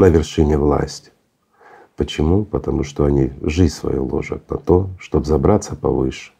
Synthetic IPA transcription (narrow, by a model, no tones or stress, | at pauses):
nəvʲɪrʂɨnʲɪvlˠa̰sʲtʲ | pət͡ɕɪmupət̪ɐmuʂt̪oɐnʲiʐɨsvɐ̰jo̰lˠo̰ʐə̰t̪nɐ̰t̪oʂt̪obzɐbɾat̪sːəpɐ̰vɨʂɨ̥